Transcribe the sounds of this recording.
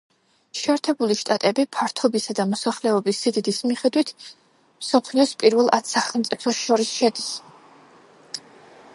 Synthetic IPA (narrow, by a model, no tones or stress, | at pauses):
ʃɛɛɾt̪ʰɛbuliʃt̪ʼat̪ʼɛbipʰaɾt̪ʰɔbisad̪amɔsaχlɛɔbisːid̪id̪ismiχɛd̪wit̪ʰ | msɔpʰliɔspʼiɾvɛlˠʔat̪saχɛlˠmt̪sʼipʰɔʃɔɾisʃɛd̪is